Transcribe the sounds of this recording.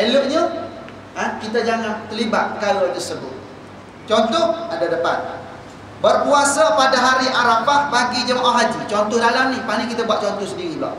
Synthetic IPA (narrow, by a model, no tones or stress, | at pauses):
eloʔɲə | akit̪ad͡ʒaŋant̪əlibat̪̚kalat̪ərsəbʊ̰t̪̚ | t͡ʃɔnt̪ɔhadadəpa̰n | bərkuasapadaɦaɾiʔaɾafahpaɡid͡ʒəmaʔaɦad͡ʒit͡ʃɔnt̪ɔhdalamnihpanikit̪abuaʔ̪̚t͡ʃɔnt̪ɔhsəndiɾilɔ̰ʔ